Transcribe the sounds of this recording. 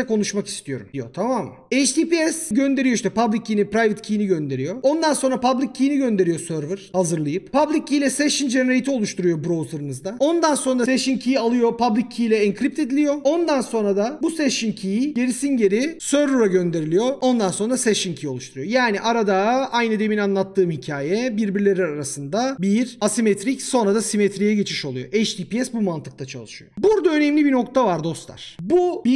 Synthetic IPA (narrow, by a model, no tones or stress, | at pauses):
ɛkʰo̞nuʃmaki̥st̪ʰijo̞̰ɾṵmd̪ijo̞t̪ʰamaːmː | et͡ʃd̪ʰipiɛsɟø̞nd̪e̞ɾijoiʃt̪ʰɛpablʲicʰːiːnipɾajvɯt̪cʰijːniɟø̞nd̪e̞ɾijo̞o̞nd̪ansonɾapʰablʲicʰːijiniɟø̞nd̪e̞ɾijo̞søɾvɯɾ̥hazɯɾlˠajɯppʰablʲicʰːijlʲɛsɛʃind͡ʒeeɾejt̪ʰio̞lˠuʃt̪ʰuɾujo̞bɾozɯɾɯnɯzd̪ao̞nd̪anso̞nɾaseʃincʰijalˠɯjo̞pʰablʲicʰːilʲɛɛŋkʰɾip̚t̪e̞d̪ilʲijo̞ond̪anso̞nɾad̪abuseʃincʰijiɟe̞ɾisinɟe̞ɾisøɾuɾaɟø̞nd̪e̞ɾilʲijo̞o̞nd̪anso̞nɾaseʃincʰijo̞lˠuʃt̪ʰuɾuɯjo̞jaːniʔaɾad̪aajnɯd̪eminanlˠat̪ʰːɯːmhicʰaːjɛbiɾbiɾlʲe̞ɾiaɾasɯnd̪abiɾasimet̪ʰɾicso̞nɾad̪asimet̪ɾijɛɟe̞t͡ʃʰiʃo̞lˠujoʔɛt͡ʃd̪ipiɛsbumant̪ʰɯk̚t̪at͡ʃʰa̰lˠɯʃɯjobuɾd̪aø̞nɛmlʲibino̞kt̪ʰavaɾd̪o̞st̪lˠa̰ɾ̥bubi